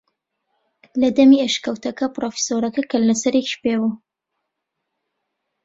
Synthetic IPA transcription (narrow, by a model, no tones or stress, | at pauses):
lɐd̪ɐmieʃkɐwt̪ɐkɐpɾofi̥soɾɐkɐkʰɐllɐsɐɾekʃpewu